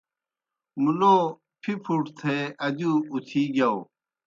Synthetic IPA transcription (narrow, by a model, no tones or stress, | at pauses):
muloː | pʰipʰuʈt̪ʰeɐd͡ʑuut̪ʰiːɡjao